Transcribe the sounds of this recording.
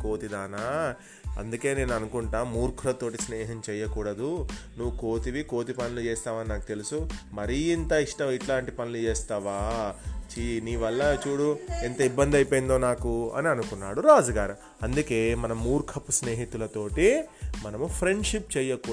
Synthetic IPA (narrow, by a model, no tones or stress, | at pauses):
ko̞ːt̪id̪aːnaː | ɐ̰nd̪uke̞ːne̞ːnuɐnukuɳʈaːmːuːɾkʰulɐt̪o̞ːʈ̬isnɛːɦɐmt͡ʃɛːjɐkuːɽɐd̪unuʋːuko̞ːt̪iʋiko̞ːt̪̬ipɐnilut͡ʃɛːst̪aːmɐninaːku̥t̪e̞lusumɐɾiint̪ɐiʂʈɐmiʈlaːɳʈipɐnilut͡ʃɛːst̪ɐːʋaːt͡ʃiniːʋɐlːɐt͡ʃuːɽuent̪ɐibːɐnd̪ɐjpejind̪o̞ːnaːkuɐ̰niɐnukunːaːɽuɾaːd͡ʒɐɡaːɾu | ɐnd̪uke̞ːmɐnɐmːuːɾkʰɐpusneːɦit̪ulɐt̪o̞ːʈimɐnɐmupʰɾe̞ɳɖʂipt͡ʃɛːjɐkuː